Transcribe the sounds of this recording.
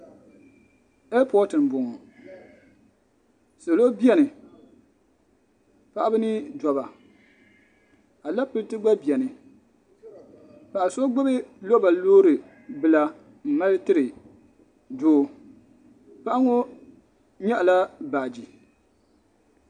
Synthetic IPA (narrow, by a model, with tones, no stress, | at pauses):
e˦lpɔ˦tɨ˨n˨bo˨ŋɔ˨ | so˨lo˦bi˦ɛ˦nɨ˨ | pa˦ʔa˦bɨ˦nɨ˦dɔ˨βa˨ | a˨la˦pɨ˦ltɨ˦ɡ͡ba˦bi˨ɛ˨nɨ˨ | pa˨ʔa˨so˦ɡ͡bɪ˦bɨ˦lo˦ba˨loː˦ɾɨ˨ | bɨ˨la˦ | m̩˨ma˦ltɨ˦ɾɨ˨ | doː˦ | pa˦ʔa˦ŋo˦ | ɲɛ˦ʔla˦baː˨d͡ʒi˨